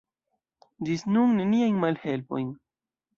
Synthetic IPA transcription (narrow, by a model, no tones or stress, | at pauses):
disnuŋne̞niajnmalhe̞lpo̞jn